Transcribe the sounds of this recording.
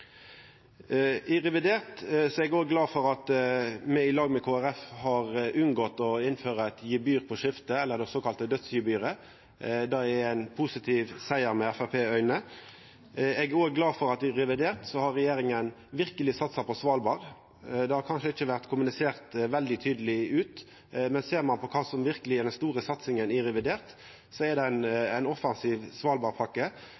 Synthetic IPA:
ɪʁɛʋɪd̪eːʁt̪sɔɛɡoːɡɡlɑːfɔɾɑt̪mɛɪlɑːɡmɛkʰoːæʁɛfhɑʁʔʉnɡɔt̪ɔɪnføːʁəɛt̪jiːbyːʁpʰɔʃɪft̪əɛlːəʁd̪ɛsoːkɑlt̪əd̪œt̪sjɪbyːɾə | d̪ɑɛæɪnpʰʊsɪt̪ʰiːʋsæɪəɾmɛæfæpʰeːœʏnə | ɛɡoːɡɡlɑːfɔɾɑt̪ɪʁɛʋɪd̪eːʁt̪sɔhɑʁɾɛjeːɾɪŋən | ʋɪʁkəlɪsɑt̪sɑpɔsʋɑːlbɑːʁ | d̪ɛhɑɾkʰɑnʂəɪçːəʋæʁt̪kʰʊmʉnɪseːʁt̪ʋɛld̪ɪt̪ʰyːd̪əlɪʉːt̪ | mɛnseːʁmɑnpʰɔkʰɑːsɔmʋɪʁkəlɪɛd̪ɛnst̪uːʁəsɑt̪sɪŋənɪʁɛʋɪd̪eːʁt̪ | sɔɛd̪ɛnæɪnɔfɑnsiːʋsʋɑːlbɑːʁpʰɑkːə

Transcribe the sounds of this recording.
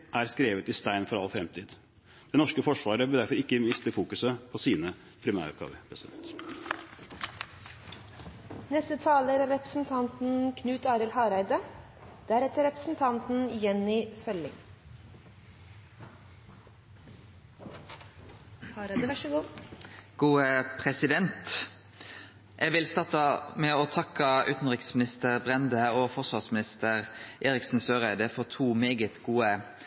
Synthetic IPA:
ʔæɾskɾeːʋət̪ɪst̪æɪnfɔɾɑlfɾɛmt̪ʰiːd̪ | d̪̥ɛnɔʂkəfɔʂʋɑːɾəʋɪld̪æɾfɔɾɪkːəmɪst̪əfuːkʉsəpʰɔsiːnə | pʰɾɪmæ̰ɾʉ̰p̚ɡɑ̰ːʋəpʰɾɛsɪd̪ɛ̰nt̪ | nɛst̪ət̪ʰɑːləɾæɾɛpɾəsn̩t̪ʰɑnt̪n̩kʰnʉːt̪ɑːɾɪlhɑːɾæɪd̪ə | d̪̥æɾɛt̪əɾɛpɾəsn̩t̪ʰɑnt̪n̩ɪjɛnɪfœlɪ̰ŋ | hɑɾd̪əʋʃɡuː | ɡ̥uːəpʰʁɛsɪd̪ɛnt̪ | ʔɛʋɪlst̪ɑt̪əmɛoːt̪ʰɑkəʉ̰ːt̪n̩ʁɪksmɪnɪst̪əʁbʁɛnd̪əoːfɔsʋɑʁsmɪnɪst̪əʁʔeːʁɪksn̩søːʁæɪd̪əfɔt̪ʰuːmeːɡət̪ɡuːə

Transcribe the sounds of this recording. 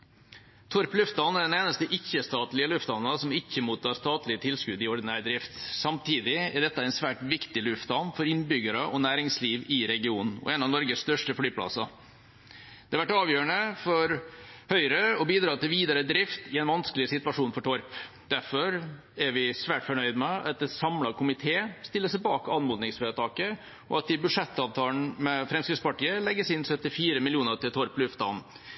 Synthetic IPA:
t̪ʰɔɾplʉft̪ɑnæɖɛneːnəst̪əʔɪçːəst̪ɑːt̪lɪəlʉft̪ɑnːɑsɔmɪçːəmuːt̪ʰːɑːst̪ɑːt̪lɪət̪ʰɪlskʉd̪ɪɔɾd̪ɪnæːɾd̪ɾɪft̪sɑmt̪ʰiːd̪ɪɛɖ̪ɛt̪ːəɛɪnsʋæːʈʋɪkt̪ɪlʉft̪ɑnfɔɾɪnbʏɡəɾəʔɔnæːɾɪŋsliːʋɪɾɛɡɪuːnn̩ɔ̰ɛːnɑnɔɾɡəst̪œʂʈəflyːpʰlɑ̰sɑ | d̪̥ɛɑʋæʈːɑːʋjøːəɳəfɔɾhœʏɾəɔbiːd̪ɾɑːt̪ɪlʋiːd̪ɑɾəd̪ɾɪft̪ɪɛnʋɑnskəlɪsɪt̪ʉʋɑʂuːnfɔʈʰɔɾp | d̪̥æɾfɔɾ | ɛɾʋɪsʋæːʈfɔɳœʏd̪mɛɑt̪̚d̪ɛsɑmlɑkʊmɪt̪ʰeːst̪ɪlːəsɛbɑːkɑnmʊd̪nɪŋsføːət̪ʰɑːkə | ɔ̰ɑt̪̚d̪ɪbʉʂɛt̪ːɑːʋt̪ʰɑːln̩mɛfɾɛmskɾɪtspɑʈiːəlɛɡːəsɪnsœt̪ːɪfiːɾəmɪlɪuːnəɾt̪ɪlt̪ʰɔɾplʉft̪ɑ̰n

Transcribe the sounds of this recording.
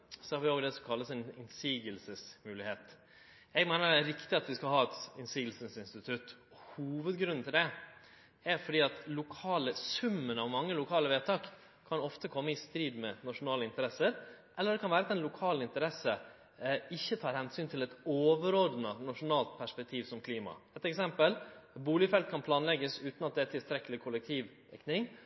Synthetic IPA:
sɔhɑːɾʋɪoːɡd̪ɛsɔmkʰɑlːəsɛnɪnsiːɡəlsəsmʉːlɪheːt̪ | ɛɡmæɪnəɾæɾɪkt̪ɪɑt̪ʋɪskɑlhɑːɛt̪ɪnsiːɡəlsənsɪnst̪ɪt̪ʰʉt̪ː | huːʋəd̪ɡɾʉnːnt̪ɪld̪ɛ | æɾfɔɖiːɑt̪lʊkʰɑːləsʉmːənɑʋmɑŋːəlʊkʰɑːləʋeːt̪ʰɑːk | kʰːɑnɔft̪əkʰɔmːəɪst̪ɾiːd̪mɛnɑʂʊnɑːləɪnt̪əɾɛsəɾ | ʔɛlːəɖd̪ɛkʰɑnʋæːɾəɑt̪ɛnlʊkʰɑːlɪnt̪əɾɛsə | ɪçːət̪ʰɑːɾhɛnsyːnt̪ʰɪlɛt̪oːʋəɾɔd̪nənɑʂʊnɑːlt̪̚pʰæʂpɛk̚t̪ʰiːʋsɔmkʰliːmɑ̰ɛt̪ɛksɛmpəlbuːlɪfɛlt̪̚kʰɑnpʰlɑːnlɛɡəsʉːt̪nɑt̪̚d̪ɛæt̪ʰɪlst̪ɾɛkːəlɪkʰʊlɛk̚t̪ʰiːʋ | ɛ̰knɪŋ

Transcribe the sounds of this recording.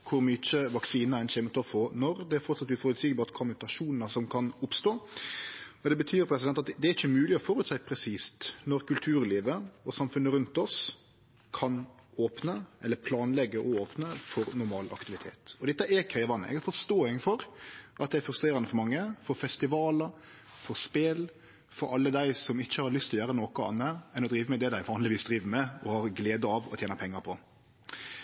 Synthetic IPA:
kʰʊɾmʏt͡ʃəʋɑksiːnəɾɛnʃeːmət̪ʰɔfɔnɔɾd̪ɛæɾfɔɾt̪sɑt̪ːʋɪfɔːɾʉt̪sɪɡəbɑːt̪kʰɔmːʉt̪ɑʂuːnənəsɔmkʰɑnʊpst̪oː | ɔd̪ɛbət̪ʰyːɾpʰɾɛsɪd̪ɛnt̪ɑt̪d̪ɛæɾɪçːəmʉːlɪɔfɔːɾʉt̪sæɪpʰɾɛsiːst̪nɔɾkʰʉlt̪ʰʉːɾliːʋəɔsɑmfʉnːəɾʉnt̪ɔs | kʰɑnoːpnəʔɛlːəɾpʰlɑːnlɛɡːəʔɔoːpnəfɔɾnʊɾmɑːlʔɑ̰kt̪ɪʋɪt̪ʰḛːt̪ɔd̪ɛt̪ːəʔɛkʰæɪʋɑnːə̰ʔɛ̰ɡɛɾfɔst̪oːɪŋfɔɾʔɑt̪d̪ɛɪɛɾfɾʉst̪ɾeːɾɑnəfɔɾmɑŋːəfɔɾfɛst̪ɪʋɑːləɾ | fɔɾspeːl | fɔɾɑlːəd̪æɪsɔmɪçːəhɑɾlʏst̪ʰɪljøːɾənoːkʊɑ̰nːəɛnɔd̪ɾiːʋəmɛd̪ɛd̪æɪʋɑːnlɪʋiːsd̪ɾiːʋəmɛɔhɑɾɡleːd̪əɑʋɔ̰t̪jeːnəpʰɛŋːɑɾpʰɔ

